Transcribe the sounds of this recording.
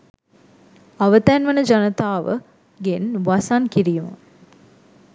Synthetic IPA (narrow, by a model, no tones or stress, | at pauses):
aʋət̪ænʋənəd͡ʒanət̪aːʋə̰ | ɡenʋasankiɾijmə̰